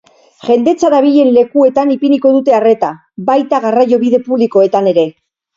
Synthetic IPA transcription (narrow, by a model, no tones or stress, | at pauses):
ʝe̞nd̪e̞t͡saɾaβiʎe̞nle̞kue̞t̪anipiniko̞ðut̪e̞are̞t̪a | bajt̪aɣarajo̞βiðe̞puβliko̞e̞t̪ane̞ɾe̞